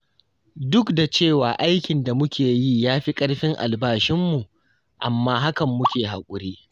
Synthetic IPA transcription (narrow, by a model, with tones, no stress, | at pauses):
dʊ˦kda˨t͡ʃeː˦˨waː˨ʔa˦jkʲɪ˨nda˨mʊ˦kʲeː˨ji˦jaː˦ɸi˦kʼɐ˦ɽɸɪ˦ŋʔa̰˨lbaː˦ʃɪ˦mːu˨ʔ | ʔa̰˨mːaː˦ɦa˦kɐ˨mːʊ˦kʲeː˨ɦa̰˨kʷʼʊ˨ɽeː˦